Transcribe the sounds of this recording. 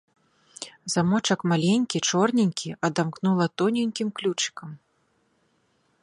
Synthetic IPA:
zamɔt͡ʂɐkmalʲenʲkʲit͡ʂɔrnʲinʲkʲʰiʔɐd̪amknulˠɐt̪ɔnʲinʲkʲimklʲut͡ʂɨ̥kɐm

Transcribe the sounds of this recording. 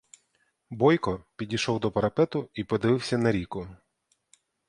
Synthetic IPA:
bɔjkɔpʲidʲijʃɔwd̪ɔpɐɾɐpɛt̪ʊipɔd̪ɪʋɪwsʲɐnɐɾʲikʊ

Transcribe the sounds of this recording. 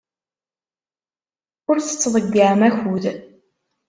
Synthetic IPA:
ʊɾθə̥t͡sːðˤəɡːaʕmæçuð

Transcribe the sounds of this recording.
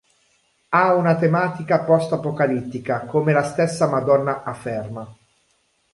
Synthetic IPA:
aunat̪emaːt̪ikapɔst̪apokalit̪ːikakomelast̪esːamad̪ɔnːaʔafːɛrma

